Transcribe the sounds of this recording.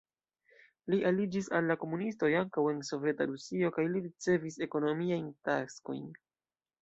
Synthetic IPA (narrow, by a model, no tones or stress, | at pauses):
liʔalid͡ʒisalːako̞munisto̞jaŋkawe̞nso̞vje̞ta̰ɾusio̞kajliɾit͡se̞vise̞ko̞no̞miajntasko̞̰jn